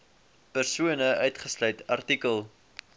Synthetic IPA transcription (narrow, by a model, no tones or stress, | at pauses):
pərsuənəœɥtχəslœɥtɐrtikəlˠ